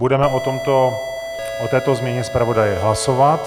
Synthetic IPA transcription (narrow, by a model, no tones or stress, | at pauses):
budɛmɛʔot̪omt̪o | ʔot̪ɛːt̪ozmɲɛɲɛspɾavo̞dajɛɦlasovat̪